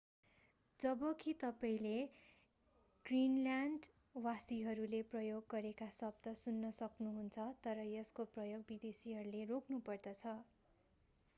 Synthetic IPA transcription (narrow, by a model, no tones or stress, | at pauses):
d͡zʌbʌkit̪ʌpaĩle | ɡ̥rinlanɖ | wasiɦʌɾuleprʌjoɡːʌɾekasʌb̚d̪ʌsunːʌsʌknuɦunt͡sʰʌt̪ʌɾʌjʌskoprʌjoɡ̚bid̪esiɦʌɾulerokʰnupʌrd̪ʌt͡sʰʌ